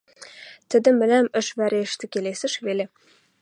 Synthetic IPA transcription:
t̪ɘ̆d̪ɘ̆mːɘ̆læmɘ̆ʃvæɾeʃt̪ɘ̆kʲelesɘ̆ʃβelʲe

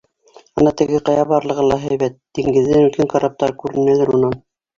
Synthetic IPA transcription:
ɤ̆nɑt̪ɘ̆ɡɘqɑjɑβɑɾlˠɤ̆ʁɤlˠɑɦæjβæt̪̚d̪̥iŋɡɘ̆ðːɘnʉlkæŋkɑɾɑp̚t̪ɑɾkʉɾɘ̆nælæɾunɑn

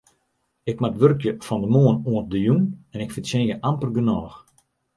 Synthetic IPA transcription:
ɪk̚matʋørkjəfɔndəmoənoənt̚dəjunɛnɪkfɪntsɛnjəʔampərɡənɔːx

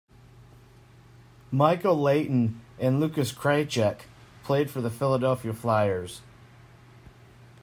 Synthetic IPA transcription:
maɪkl̩ˠleɪʔn̩ɨ̃nlʉkɨskʰɹ̥eɪt͡ʃɛkpʰl̥eɪd̥fə˞ðɨfɪlˠədɛlˠfiəflaɪə˞z̥

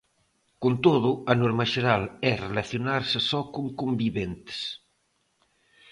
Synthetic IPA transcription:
kont̪oð̞uɐnoɾmɐʒeɾalɛrelaθjonaɾsəsɔkoŋkumbiβent̪e̥s

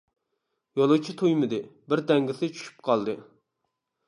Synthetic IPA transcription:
jolˠɨwt͡ʃʰit̪ʰujmɨd̪ɨbɪɾd̪ɛŋɡʲɪsɪt͡ʃʰy̥ʃy̥p̚qʰɑlˠd̪ɨ

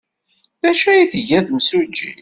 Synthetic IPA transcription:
bæʃæjiθəʝæθmsud͡ʒḭ

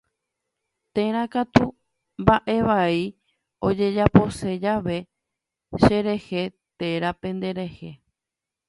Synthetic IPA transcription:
t̪e̞ɾakat̪u | mbaʔe̞ʋai | o̞d͡ʒe̞d͡ʒapo̞se̞d͡ʒaʋe̞ | ʃe̞ɾe̞he̞ | t̪e̞ɾapẽ̞nd̪e̞ɾe̞he̞

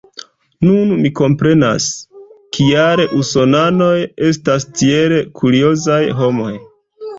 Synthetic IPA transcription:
nunmiko̞mpɾe̞na̰skiaɾeʔuso̞nano̞je̞stastie̞ɾekʰuɾio̞zajɦo̞mo̞̰j

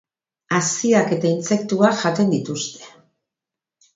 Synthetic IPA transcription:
asiake̞t̪aint͡se̞kt̪uaʝat̪e̞nd̪it̪ust̪e̞̥

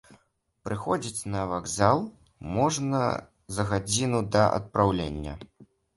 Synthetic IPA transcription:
pɾɨxɔd͡zʲit͡sʲnɐvaɡzalˠ | mɔʐnɐ̰ | zɐɣad͡zʲinud̪ɐʔɐ̰t̪̚pɾawlʲenʲːɐ̰

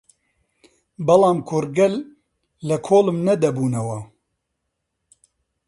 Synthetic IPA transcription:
bɐlɑːmkʰʊɾɡɛlː | ɐkʰoːlɨmnɛd̪ɛbuːnɐwɑ

